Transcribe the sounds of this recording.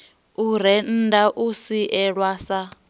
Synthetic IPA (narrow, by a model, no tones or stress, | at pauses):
uɾɛn̩daʔusiʔɛɺwasa